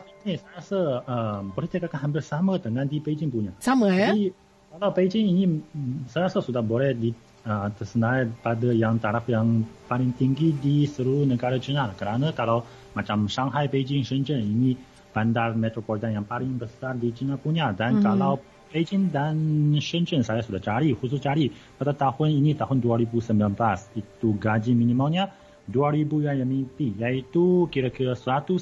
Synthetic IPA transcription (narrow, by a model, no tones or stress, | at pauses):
ainisaɾasəəmboɾɛht̪əkakanɦamp̬ɪrsamət̪əŋandiped͡ʒɪŋpuɲasaməi | kalawped͡ʒɪŋinisaɾasəsudahbolɛhdi | ət̪ərsənapadəjaŋt̪aɾafjaŋpalɪŋt̪iŋɡidisəɾunəɡaɾat͡ʃinakəɾanakalaw | mat͡ʃamʃaŋɦajped͡ʒɪŋʃənd͡ʒənini | b̥andarmɛt̪ɾopɔlit̪anjaŋpalɪŋbəsardit͡ʃinapuɲadankalaw | bed͡ʒɪŋdanʃənt͡ʃənsajasudaht͡ʃaɾihusʊst͡ʃaɾi | padat̪ahʊninit̪aɦʊnduaɾibusəmbilanblasit̪uɡad͡ʒiminimalɲa | duaɾibujajamipijait̪ukiɾakiɾasəɾat̪us